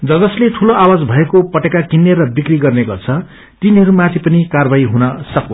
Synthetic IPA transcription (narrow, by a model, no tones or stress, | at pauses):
d͡zʌd͡zʌslet̪ʰuloʔawad͡zbʱʌekopʌʈekakinːeɾʌbikriɡʌrneɡʌrt͡sʰʌ | t̪iniɦʌɾumãt̪ʰipʌnikarbajɦunʌsʌko